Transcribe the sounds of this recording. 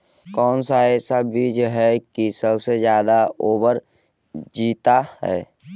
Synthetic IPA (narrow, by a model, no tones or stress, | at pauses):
kɔːnsaesabiːd͡ʒɦɛkisəbsed͡ʒjaːd̪aoːbəɾ | d͡ʒiːt̪ahɛ̰ː